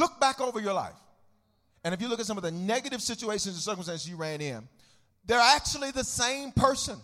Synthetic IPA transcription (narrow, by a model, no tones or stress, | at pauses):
lʊk̚b̥ækoʊvə˞jə˞la̰ɪf | ɨ̃ñɨfjɨlʊkɨtsʌ̃mʌvðɨnɛɡɨɾɨv̥sɪt͡ʃueɪʃɨ̃nzðəsɜ˞km̩stæ̃nsɨzjɨɹæ̃nɪ̃n | ðə˞æk̚t͡ʃul̩ˠiðɨsẽɪ̃mpʰɜ˞sɨ̃n